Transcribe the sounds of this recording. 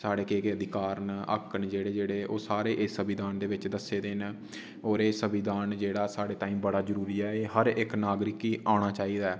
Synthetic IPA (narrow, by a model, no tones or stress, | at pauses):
saːɽeːkeːkeːəd̪ʱɪkaːɾnə̰kənd͡ʒeːɽeːd͡ʒeːɽeːʔoːsaːɾeːʔeːsəbɪd̪aːnd̪eːʋɪt͡ʃd̪əseːd̪en | oːɾeːsəbɪd̪aːnd͡ʒeːɽaːsaːɽeːt̪aːĩːmbəɽaːzəɾuːɾiːɛːeːɦəɾɪknaːɡɾɪkiːʔaːɽ̃aːt͡ʃaːiːd̪aɛː